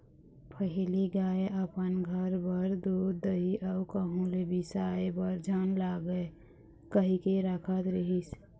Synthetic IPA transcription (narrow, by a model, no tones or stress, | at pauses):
pʰəɦiliɡaːeʔəpənɡʱəɾbəɾd̪od̪əiʔəukəɦũlebisaebəɾd͡ʒʱanlaɡe | kəɦikeɾəkʰət̪ɾəɦis